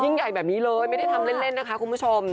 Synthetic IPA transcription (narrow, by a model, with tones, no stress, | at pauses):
ji˥˩ŋja˨˩jbɛː˨˩p̚niː˦˥lɤː˧jma˥˩jda˥˩jt̪ʰa˧mle˥˩nle˥˩nːa˦˥kʰa˦˥ku˧nmʰpu˦˥˩t͡ɕʰo˧m